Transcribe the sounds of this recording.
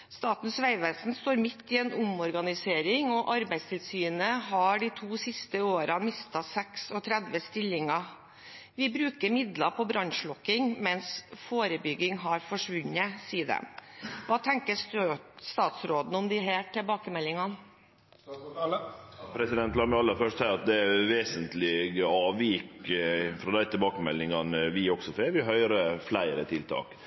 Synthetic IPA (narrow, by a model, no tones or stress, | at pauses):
st̪ɑːt̪n̩sʋæɪʋɛːsn̩st̪oːɾmɪt̪ʰːɪɛːnʊmɔɾɡɑnɪseːɾɪŋɔʔɑɾbæɪd̪st̪ʰɪlsyːnəɦɑɖiɪt̪ʰuːsɪst̪əoːɾɑmɪst̪ɑsɛksɔt̪ʰɾɛd̪ʋəst̪ɪlːɪŋɑ | ʋɪbɾʉːkəɾmɪd̪lɑpʰɔbɾɑnʂɭɔkːɪŋmɛnsfoːɾəbʏɡːɪŋɦɑɾfɔʂʋʉnːəsiːəd̪ə̰ʋɑːt̪ʰɛŋkəsʉst̪ɑːt̪sɾoːd̪n̩ɔmd̪ɪɦæːʈɪlbɑːkəmɛlːɪŋɑn | pʰɾɛsɪd̪ɛnt̪lɑːməɑlːəɾfœʂʈsæːɾɑt̪̚d̪ɛɛʋeːsənt̪lɪɡəɑːʋiːkfɾɔd̪æɪt̪ʰɪlbɑːkəmɛlːɪŋɑnəʋɪɔɡsɔfɛʋɪɦœʏɾəflæɪɾət̪ʰɪlt̪ʰɑ̰ːk